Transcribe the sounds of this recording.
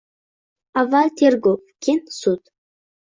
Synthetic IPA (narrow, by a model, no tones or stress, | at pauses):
avat̪ʰerɡopkʲinsut̪